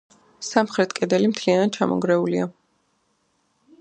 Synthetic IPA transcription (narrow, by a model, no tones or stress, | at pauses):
samχɾɛt̪ʰkʼɛd̪ɛlimt̪ʰlianad̪̚t͡ʃʰa̰mʔɔ̰ɡɾɛulia